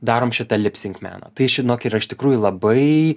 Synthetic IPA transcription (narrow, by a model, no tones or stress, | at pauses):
d̪ɑːɾoːmʃʲɪt̪ɐlʲɪpʲsʲɪŋkmʲæ̰ːnɐ̰t̪ɐɪʃʲɪnoːkʲɪrɐɪʃt̪ʲɪkɾuːjʊlˠɐbɐɪ